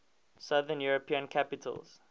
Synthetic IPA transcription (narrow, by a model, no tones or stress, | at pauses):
saðənjuɹəpĩə̃nkʰapɪtʰə̰lˠz̥